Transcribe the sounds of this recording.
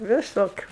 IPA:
ʋʲɪˈsoːkʲʊ

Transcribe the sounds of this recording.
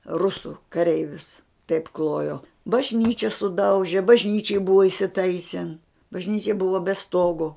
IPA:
ˈrʊsʊ kɐˈrʲɛɪʋʲʊs tɐɪp ˈklˠoːjoː bɐʒʲˈnʲiːt͡ʃʲɪ sʊˈdɐʊʒʲɪ bɐʒʲˈnʲiːt͡ʃʲɪj ˈbʊʋɐ ɪsʲɪˈtɐɪsʲɪn bɐʒʲˈnʲiːt͡ʃʲɛ ˈbʊʋɐ bʲɛ ˈstoːɡoː

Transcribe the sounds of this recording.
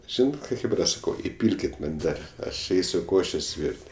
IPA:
ˈʒʲiːnɐt ˈkɑː ˈxʲeːbrɐ ˈsɑːkɐʊ ɪˈpʲiːlʲkʲɪt mɐn ˈdɐr ˈɐʃ ˈɛɪsʲʊ ˈkoːʃʲeːsʲ ˈʋʲiːrʲtʲ

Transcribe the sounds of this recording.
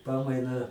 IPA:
ˈpɑːmɐɪnɑː

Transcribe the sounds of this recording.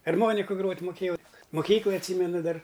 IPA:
ɐrˈmoːnʲɪkʊ ˈɡroːtʲ mʊˈkʲeːjɛʊ mʊˈkʲiːklˠɐj ɐtʲˈsʲiːmʲɛnʊ ˈdɐr

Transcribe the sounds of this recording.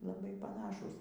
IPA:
lˠɐˈbɐɪ pɐˈnɑːʃuːs

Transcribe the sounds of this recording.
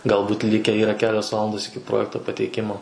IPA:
ɡɐlˠˈbuːt ˈlʲɪkʲæː ˈiːrɐ ˈkʲæːlʲoːs ˈʋɑːlˠɐndoːs ɪkʲɪ ˈproːjɛktoː pɐtʲɛɪˈkʲɪmoː

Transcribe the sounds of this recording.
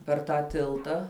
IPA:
pʲɛr ˈtɑː ˈtʲɪlˠtɑː

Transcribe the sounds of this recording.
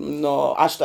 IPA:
ˈnoː ˈɐʃ tɐ

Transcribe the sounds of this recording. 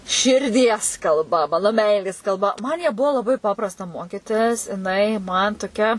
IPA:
ʃʲɪrʲˈdʲiɛs kɐlˠˈbɐ ˈmɑːnoː ˈmʲɛɪlʲeːs kɐlˠˈbɐ mɐn jæː ˈbuɔ lˠɐˈbɐɪ ˈpɑːprɐstɐ ˈmoːkʲɪtʲɪs jɪˈnɐɪ mɐn toːˈkʲɛ

